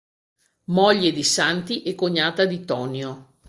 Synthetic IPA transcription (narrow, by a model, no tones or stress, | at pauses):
mɔʎːed̪isant̪iʔɛkːoɲːaːt̪ad̪it̪ɔːnjo